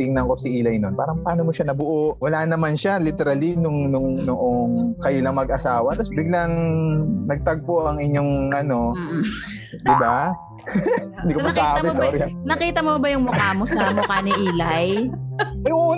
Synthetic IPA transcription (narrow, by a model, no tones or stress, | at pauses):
t̪ɪŋnɐŋko̞sɪʔiːlɐjnonpaːɾɐŋpɐaːnomoʃanɐbʊʔoʔwɐlaːnɐmanʃalɪt̪ɛɾalinʊŋnʊŋnoʔoŋkɐjolɐŋmɐɡɐsaːwɐt̪ɐsbɪɡ̚lɐŋnɐɡ̚t̪ɐɡ̚poʔɐŋʔɪɲːoŋʔɐno̞ | d̪ɪba | ɪd̪ikomɐsabɪsoːɾɪnɐkiːt̪ɐmobɐjʊŋmʊkaːmosɐmʊkaːnɪʔiːlɐj | ɐjŋuː